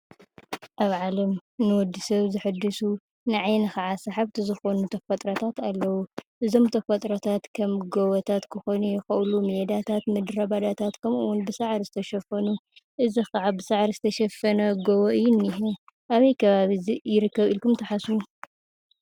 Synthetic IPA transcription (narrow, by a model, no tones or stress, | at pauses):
ʔaβʕalɐmnɨwɔd̪ːisɐβzɨħɨd̪ːɨsu | nɐʕajnɨxɐʕasaħaβt̪ʰɨzɨxonut̪ʰɐfɐt̪ʼɾɐt̪ʰat̪alːɐwuʔɨzo̞mt̪ʰɐfɐt̪ʼɾɐt̪ʰat̪kʰɐmɡowɐt̪ʰat̪kʰɨxonujɪxɐʔlumjed̪at̪ʰat̪mɨd̪ɾɐβad̪at̪ʰat̪kʰɐmuwʊnbɨsaʕɾizɨt̪ʰɐʃɐfɐnuʔɨzixaʕabɨsaʕɾizɨt̪ʰɐʃɐfɐnɐɡowoʔɨjːunːiɦɛ | ʔaβɐjkʰɐβaβijɪɾɨkːɐβilkumt̪ʰɐħasu